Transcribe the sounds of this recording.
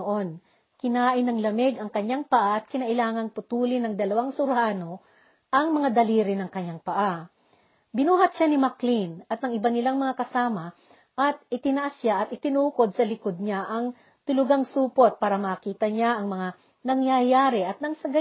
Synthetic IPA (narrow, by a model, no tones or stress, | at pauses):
ʔo̞n | kɪnaːʔɪnɐŋlɐmɪɡɐŋkɐɲːaŋpɐʔaʔɐt̪̚kɪnɐʔɪlaːŋɐŋpʊt̪uːlɪnɐŋd̪ɐlɐwaŋsʊɾhaːno̞ | ʔɐŋmɐŋad̪ɐliːɾɪnɐŋkɐɲːaŋpɐʔa | bɪnuːɦɐt̪̚ʃanɪmɐklinɐt̪ɐŋʔɪbanɪlaŋmɐŋakɐsaːmɐ | ʔɐt̪̚ɪt̪ɪnɐʔasaʔɐt̪ʔɪt̪ɪnuːko̞d̪̚sɐlɪkod̪̚ɲaʔɐŋ | t̪ʊlʊɡaŋsuːpot̪̚paːɾɐmɐkiːt̪ɐɲaʔɐŋmɐŋa | nɐŋjajaːɾɪʔɐt̪̚nɐŋsɐɡa